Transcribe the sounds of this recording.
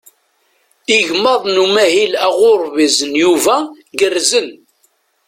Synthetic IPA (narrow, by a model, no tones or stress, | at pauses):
iʝmɑðˤnumæhilæʁʊɾˤvizənjuvæ | ɡərzən